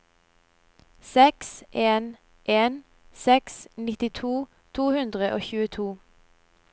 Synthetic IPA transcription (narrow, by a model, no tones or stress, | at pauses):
sɛksʔeːn | ʔeːn | sɛksnɪt̪ɪt̪ʰuː | t̪ʰuːhʉnd̪ʁəʔoːçʉːət̪ʰuː